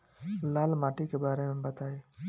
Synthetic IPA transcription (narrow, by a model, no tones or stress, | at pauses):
laːlmaːʈikebaːɾemẽbət̪aːeː